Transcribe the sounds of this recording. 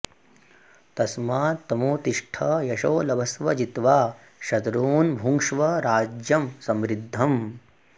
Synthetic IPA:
t̪ɐsmaːt̪ɐmuːt̪iʂʈʰɐjɐʃoːlɐbʱɐsʋɐd͡ʒit̪ʋaː | ʃɐt̪ɾuːnbʱuŋʂʋɐɾaːd͡ʒjɐmsɐmɾid̪ʱːɐm

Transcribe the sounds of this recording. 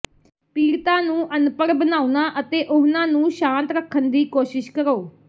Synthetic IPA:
piːɾt̪ãːnũːʔənpəɾbənaːunãːʔət̪eːʔʊɦnãːnũːʃãːnt̪ɾəkʰːənd̪iːkoːʃɪʃkəɾoː

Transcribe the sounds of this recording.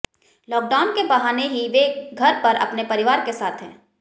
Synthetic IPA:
lɔːk̚ɖaːʊnkebɐɦaːneɦiʋeɡʱɐɾpɐɾɐ̰pnepɐɾɪʋaːɾkesaːt̪ʰɦɛ̃ː

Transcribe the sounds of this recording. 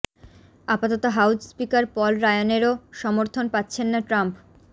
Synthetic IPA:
apat̪ot̪oɦawd͡ʑspikaɾpɔlɾaeoneɾoʃɔmoɾt̪ʰonpatːɕʰenːaʈɾamp

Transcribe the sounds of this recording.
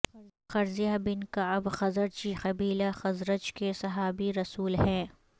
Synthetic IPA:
ɐ | xɐɾzijabɪnkabxɐzəɾt͡ʃixɐbiːlaxɐzɾət͡ʃkesɐɦaːbiɾɐsuːlɦɛ̃ː

